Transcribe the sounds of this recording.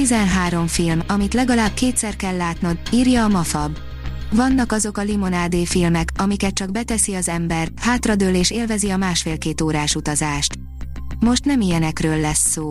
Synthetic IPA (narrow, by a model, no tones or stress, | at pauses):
izɛnɦaːɾo̞mfilmɒmit̪lɛɡɒlaːb̚keːt̪sɛrkɛlːaːt̪nɒd̪iːrjɒːmɒfɒb | vɒnːɒkɒzo̞kɒlimo̞naːd̪eːfilmɛkɒmikɛt̪̚t͡ʃɒɡ̚bɛt̪ɛsiɒzɛmbɛrt̪haːt̪rɒd̪øːleːʃeːlvɛziɒmaːʃfeːlkeːt̪oːɾaːʃut̪ɒzaːʃt̪ | mo̞ʃt̪nɛmijɛnɛkrøːlːɛsːoː